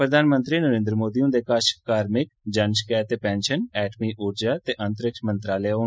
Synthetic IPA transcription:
pɾəd̪ʱaːnmə̃nt̪ɾiːnəɾẽːnd̪ɾəmoːd̪iːũːd̪eːkaʃkaːɾmɪk̚d͡ʒənskɛːt̪eːpɛ̃ːnʃənɛːʈmiːʔuːɾd͡ʒaːt̪eːʔənt̪əɾɪkʃmənt̪ɾaːlejɦoː

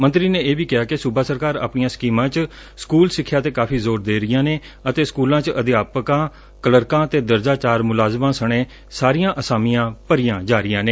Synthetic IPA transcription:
mə̃nt̪ɾiːneːeːbiːkɪjaːkɪsʊbaːsəɾkaːɾa̰ːpɳɪjãːsə̥kiːmãːt͡ʃ | skuːlsɪkʰːjaːt̪eːkaːfʰiːzoːɾd̪eːɾɪjãːneː | ət̪eːskuːlãːt͡ʃəd̪ɪaːpkãː | kələɾkãːt̪eːd̪əɾd͡ʒaːt͡ʃaːɾmʊlaːzmãːsəɳ̃eː | saːɾijãːʔəsaːmɪjãːpəɾɪjãːd͡ʒaːɾɪjãːneː

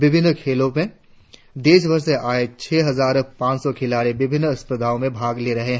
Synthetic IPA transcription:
ʋɪbʱɪnːkʰeːlõmẽ | d̪eːʃbɐɾseʔaːet͡ʃʰɛːɦɐzaːɾpãːt͡ʃsɔkʰɪlaːɾibɪbʱɪnːɐspəd̪aːõmẽbʱaːɡleɾɐɦeɦɛ

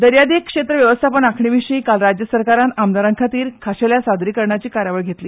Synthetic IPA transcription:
d̪əɾjad̪ikʂet̪ɾəʋjəʋəst̪ʰapəɳakʰɳiʋiɕəiːkalɾad͡ʑjəsəɾkaɾanamd̪aɾəŋkʰat̪iːɾkʰaɕeljasad̪ɾiːkəɾɳjat͡ɕiːkaɾjaʋəɭɡʱet̪liː

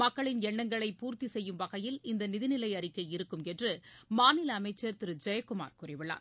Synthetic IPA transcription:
mɐkːɐɭɪnɛɳːɐŋɡɐɭɐɪpuːɾt̪isɛjːɯmʋɐɣɐjɪlɪnd̪ɐnɪðɪnɪlɐɪɐɾɪkːɐɪɾɯkːɯmɛndrɯmaːnɪlɐːmɐɪt͡ʃːɐɾt̪ɪɾɯd͡ʒɐjɐkːʊma̰ːɾkʊrɪʋɪɭa̰ːɾ

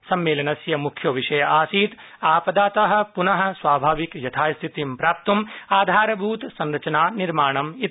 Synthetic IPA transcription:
sɐmːeːlɐnɐsjɐmukʰjɐʋiʂɐjɐʔaːsiːt̪ | aːpɐd̪aːt̪ɐɦɐ̆punɐɦɐ̆sʋaːbʱaːʋikjɐt̪ʰaːjst̪ʰit̪impɾaːp̚t̪umaːd̪ʱaːɾɐbʱuːt̪sɐnɾɐt͡ʃɐnaːniɾmaːɳɐmi

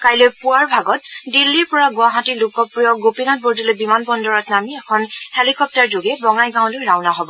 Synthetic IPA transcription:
kajlojpuaɹbʱaɡɔt̚dilːiɹpɔɹaɡʊaɦãtilʊkɔpɹijɔɡopinɔt̚boɹdilojbimanbɔndɔɹɔtnamiɛkʰɔnhelikɔp̚taɹzoɡɛbɔŋajɡãw̃lojɹawnaɦɔbɔ

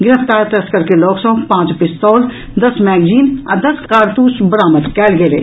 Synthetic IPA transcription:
ɡɪɾəft̪aːɾt̪ɐskəɾkelɔːksɔːkpãːt͡ʃpɪst̪ɔːl | d̪ɐsmɛːɡd͡ʒiːnɐ̰d̪ɐskaːɾt̪uːsbəɾaːməd̪kɛːlɡeɾḛː

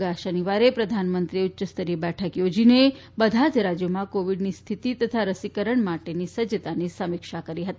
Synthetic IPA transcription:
ɡaʃəniʋaɾepɾəd̪ʱanmənt̪ɾiʊt̪ːʃəst̪əɾibɛʈʰəkjod͡ʒine | bəd̪ʱad͡ʒɾad͡ʒjomãkoʋiɖnist̪ʰit̪it̪ət̪ʰaɾəsikəɾəɳmaʈenisəd͡ʒət̪anisəmikʃakəɾiɦət̪i

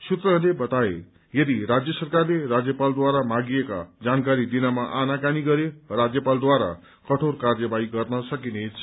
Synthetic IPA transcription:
sut̪rʌlebʌt̪aḛ | jʌd̪iɾad͡zjʌsʌrkarlerad͡zjʌpald̪waɾamaɡieka̰d͡zankaɾid̪inamaʔanakaniɡʌɾerad͡zjʌpald̪waɾa̰ | kʌʈʰorkard͡zʌbaiɡʌrnʌsʌkinet͡sʰ

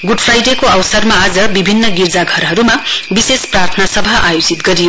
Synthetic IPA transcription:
ɡuɖpʰɾajɖekoʌwsʌɾmaːd͡zʌbibʱinːʌɡiɾd͡zaɡʱʌɾɦʌɾumabisespɾaɾt̪ʰnasʌbʱaʔajot͡sit̪ɡʌɾijo

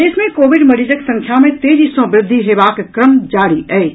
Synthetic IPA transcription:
eːsmẽkoːʋɪɖmɐɾiːd͡ʒəksɐ̃ŋkʰjamẽt̪eːd͡ʒisõʋɾɪd̪ʱːiɦeːʋaːkkɾəmd͡ʒaːɾiɦɛː

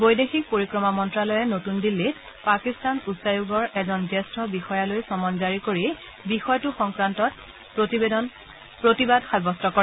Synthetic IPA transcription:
bojdexik̚poɹikɹɔmamɔntɹalɔjɛnotundilːit | pakistanusajuɡɔɹʔɛzɔnzɛstʰɔbixɔjalojsɔmɔnzaɹikoɹi | bixɔjtʊxɔŋkɹantɔt | ptiedɔn | pɹotibadxabɔstɔkɔɹɛ

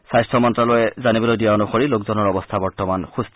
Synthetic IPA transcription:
sajstʰɔmɔntɹalɔjɛzanibɔlojdijaɔnuxɔɹilokzɔnɔɹɔbɔst̪ʰabɔɹtɔmanxustʰ

